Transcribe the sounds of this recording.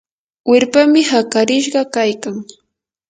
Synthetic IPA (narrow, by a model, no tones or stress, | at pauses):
wɪɾpamɪhakaɾɪʃ̬ɢɑkajkaŋ